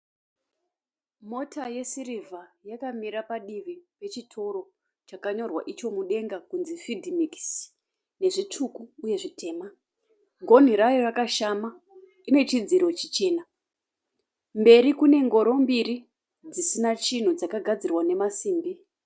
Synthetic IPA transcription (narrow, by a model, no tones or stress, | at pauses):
mo̞tajesirivʱajakamiɾapaɗiʋipe̞t͡ʃitʰo̞ro̞ | t͡ʃakaɲo̞rwa̰ʔit͡ʃo̞muɗe̞ŋɡakunzifidʱimiks | ne̞ʐit͡ʂʰukuːje̞ʐitʰe̞ːma | ɡʱo̞n̤iɾajorakaʃama | ine̞t͡ʃid͡ziɾo̞t͡ʃit͡ʃe̞ːna | mbe̞ɾikune̞ŋɡo̞ɾo̞mbiɾi | d͡zisinat͡ʃin̤ud͡zakaɡʱad͡zirwane̞masiːmbi